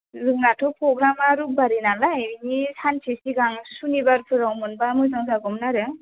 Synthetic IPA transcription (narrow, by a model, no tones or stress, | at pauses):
zɯŋnatʰɔpɾɔɡɾamaɾubaɾinalaeɾinisansʰisiɡaŋsunibaɾpʰɯɾawmɯnbamɯjzaŋzaɡɔmnaɾɯ